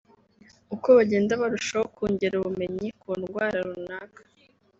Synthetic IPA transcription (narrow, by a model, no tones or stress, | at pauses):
uko̞βaɟeːndaβaɾuʃahokuːɲɟeɾaβume̞ɲikʰuːnɡwaːɾaɾunaːkḁ